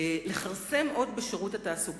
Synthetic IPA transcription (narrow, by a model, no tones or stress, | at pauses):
le̞χaʁse̞mʔo̞dbeʃeʁutataːsuɡ